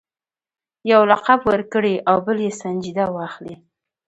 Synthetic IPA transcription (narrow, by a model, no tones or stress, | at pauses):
jawlaqabwəɾkəɽeʔawbəljesand͡ʒid̪awɑxli